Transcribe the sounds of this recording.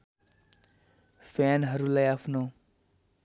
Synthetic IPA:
pʰanɦʌɾulajapʰno

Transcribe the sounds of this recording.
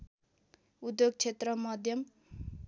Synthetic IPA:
ud̪joɡ̚t͡ʃʰet̪rʌmʌd̪ʱjʌm

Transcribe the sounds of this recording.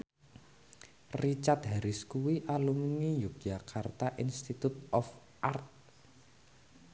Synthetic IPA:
rit͡ʃat̪̚ɦaɾɪskuwiʔaluminijuk̚d͡ʒakʰart̪aʔinst̪it̪ut̪̚ɔf | ʔart̪̚

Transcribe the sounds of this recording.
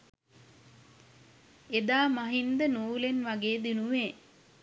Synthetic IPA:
ed̪aːmaɦind̪ənuːlenʋaɡeːd̪inuʋeː

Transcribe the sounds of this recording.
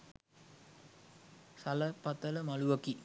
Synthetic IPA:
sɐləpɐt̪ələmɐluʋɐki

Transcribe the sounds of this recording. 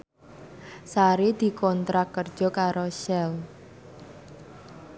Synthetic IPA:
saɾid̪̥i̤kɔnt̪ɾakːərd̥d͡ʒʒ̥ɔ̤kaɾoʃɛl

